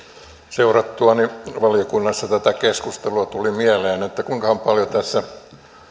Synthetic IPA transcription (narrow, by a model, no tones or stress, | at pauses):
seurɑt̪ːuɑniʋɑliokunːɑsːɑt̪æt̪ækeskust̪eluɑt̪ulimiæleːnet̪ːækuiŋkɑhɑmpɑljot̪æsːæ